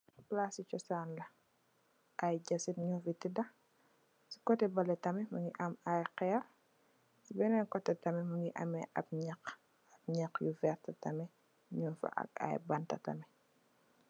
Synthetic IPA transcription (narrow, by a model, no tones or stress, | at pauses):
plasit͡ʃɔsaːnlɐ | ʔɐjɟɐsitɲɔfitidɐ | si̥kɔtɛbɐlɛtɐmɛmɐŋɡiʔɐmajqɛr | sibɛnɛnkɔtːɛtɐmɛmɐŋɡiʔɐ̰mɛʔɐp̚ɲɐk | ɐb̚ɲɐxjuvɛrtɐtɐmɛ | ɲunfɐ̰ʔɐ̰k̚ɐ̰jbɐntɐ̰tɐmɛ